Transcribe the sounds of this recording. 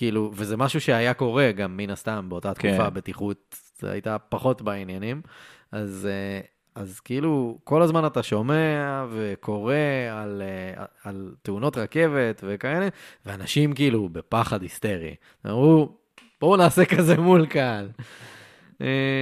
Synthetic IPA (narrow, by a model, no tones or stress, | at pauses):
kiiluvezemaʃuʃeajako̞ʁe̞ɡamːinast̪ambe̞o̞tat̪kufabe̞tiχut̪̚ | a̰jtapaχo̞tbainjanim | aze | azkeiluko̞lazmanataʃo̞meave̞kʰo̞ʁe̞alea̰alteuno̞tʁake̞ve̞tve̞kaeleveanaʃimkiilube̞paχadhist̪e̞ʁḭ | na̰mʁu | b̥ounaːsekaze̞mulkal | e